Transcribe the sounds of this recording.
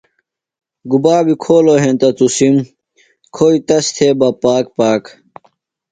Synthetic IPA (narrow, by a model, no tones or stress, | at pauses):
ɡubaːbikʰoːloɦent̪ɐt̪usim | kʰoit̪ɐst̪ʰebɐpaːkpaːk